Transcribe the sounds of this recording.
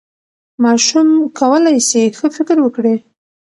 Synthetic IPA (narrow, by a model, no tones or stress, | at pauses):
mɑʃumkawəlajsexəfɪkɾwəkɽi